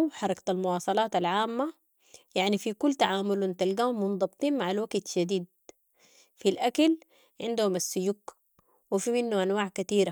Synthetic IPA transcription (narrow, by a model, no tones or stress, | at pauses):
ħɑɾˤɑkt̪almʊwɑːsˤɑlɑːt̪alʕaːmːa | jaʕnifikulːt̪aʕaːmʊlwɪnt̪alɡaːhumːʊnd̪ˤɑbt̪ˤiːnmaʕalwaɡt̪ʃad̪iːd̪̚ | filʔakal | ʕɪnd̪humasːʊjuːk | wifimɪnːuʔanwaːʕkat̪iːɾa